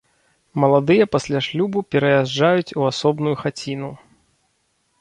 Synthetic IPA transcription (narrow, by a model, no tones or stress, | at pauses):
mɐlˠad̪ɨjɐpɐsʲlʲaʂlʲubupʲɛɾɐjaʐajut͡sʲuasɔbnujuxat͡sʲinu